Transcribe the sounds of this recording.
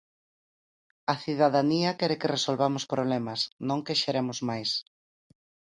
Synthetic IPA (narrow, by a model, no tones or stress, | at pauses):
ɐθiðaðaniɐkɛɾekɪresolβamʊspɾoβlɛmɐsnõŋkeʃeɾemʊzmajs